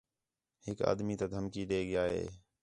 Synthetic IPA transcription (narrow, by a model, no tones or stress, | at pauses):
hɪka̰ːd̪miːt̪aːd̪ʱəmkiːɗeːɠɪjaːɦḛː